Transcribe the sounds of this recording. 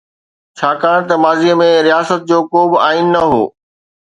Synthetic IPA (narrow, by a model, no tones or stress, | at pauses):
t͡ɕʰaːkaːɽ̃t̪ɐmaːziəmẽɾijaːsət̪̚d͡ʑoːkoːbɪaːinːɐɦo̰ː